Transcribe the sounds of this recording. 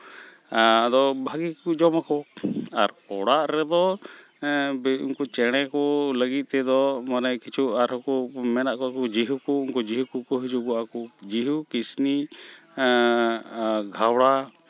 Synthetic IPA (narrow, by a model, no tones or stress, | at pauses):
d̪ɔbʱaɡikud͡ʒɔmakɔaɾ | ɔɽaʔɾɛd̪ɔ | bunkut͡ʃɛɽ̃ɛkɔləɡit̪̚ˀt̪ɛd̪ɔmanajkit͡ʃʰuaɾɔkumɛnaʔkɔkud͡ʒiɦukuunkud͡ʒiɦukukɔɦid͡ʒuɡuakud͡ʒiɦukisni | ɡʱawɽa